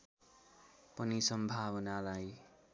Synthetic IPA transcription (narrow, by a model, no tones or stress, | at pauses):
pʌnisʌmbʱawʌnalaj